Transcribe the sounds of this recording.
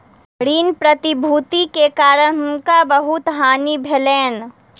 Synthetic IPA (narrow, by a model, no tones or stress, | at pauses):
ɽiːnpɾət̪ibʱuːt̪ikekaːɾənkabəɦʊt̪ɦaːnibʱɛlɛːn